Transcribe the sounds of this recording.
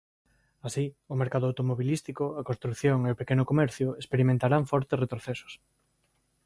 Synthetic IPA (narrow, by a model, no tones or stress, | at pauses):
asiʊmeɾkaðʊawt̪omoβilist̪ikʊakõnst̪ɾukθjoŋeopekenʊkomɛɾθjʊespeɾimẽnt̪aɾaɱfɔɾt̪esret̪ɾoθesʊ̥s